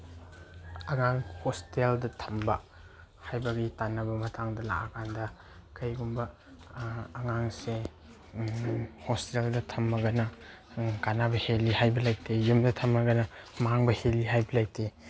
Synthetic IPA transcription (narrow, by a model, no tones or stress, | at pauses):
ɐŋaŋhosteldɐtʰɐmbɐ̰ | hajbɐɡitanːɐbɐmɐtʰaŋdɐla̰ʔakʰandɐ | kʰɐjɡumbɐː | ŋaŋse | hosteldɐtʰɐmːɐɡɐnɐ | kanabɐhelihajbɐlajk̚tʰejumdɐtʰɐmːɐɡɐnɐmaŋbɐheliɦajbɐlajk̚te